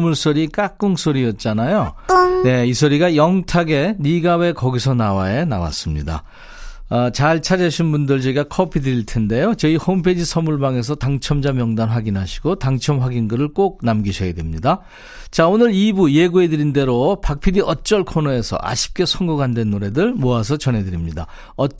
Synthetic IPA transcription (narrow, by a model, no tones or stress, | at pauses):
muɭs͈oɾik͈ak͈ɯŋsʰoɾijʌt̚t͡ɕ͈anajone̞isʰoɾiɡajʌŋtʰaɡe̞niɡawe̞kʌɡisʰʌnawaena̰wa̰s͈ɯmɲḭda̰ | ʌt͡ɕaɭt͡ɕʰad͡ʑaɕʰinbundɯɭt͡ɕʌiɡakʰʌpʰidɯɾiɭtʰe̞nde̞jot͡ɕʌihompʰed͡ʑisʰʌmuɭbaŋe̞s̬ʰʌtaŋt͡ɕʰʌmd͡ʑamjʌŋdanɸwaɡinɦaɕʰi̥ɡotaŋt͡ɕʰʌmɸwaɡinɡɯɾɯɭk͈ok̚namɡiɕʰʌɡedwe̞mɲida | t͡ɕaonɯɾibuje̞ɡue̞dɯɾinde̞ɾopak̚pʰidiʌt͡ɕ͈ʌɭkʰonʌe̞sʰʌ̰ʔa̰ɕʰi̥p̚k͈e̞sʰoŋɡuɡandwe̞nːoɾe̞dɯɭmoasʰʌt͡ɕʌnɦe̞dɯɾimɲida | ʌ